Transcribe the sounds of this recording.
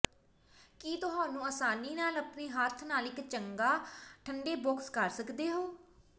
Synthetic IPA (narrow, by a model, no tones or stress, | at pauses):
kiːt̪ʊɦãːnũːəsaːniːnaːləpneːɦaːɾt̪ʰnaːlɪkt͡ʃəŋɡaːʈʰəɳɖeːbʊkskəɾsəkd̪eːɦoː